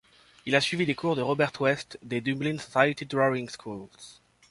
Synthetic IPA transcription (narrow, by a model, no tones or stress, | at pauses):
ilasɥivid̪ekuʁd̪əʁɔbɛʁt̪ʰwɛst̪d̪ed̪yblinsɔ̥sajet̪id̪ʁɔĩŋskʰulz̥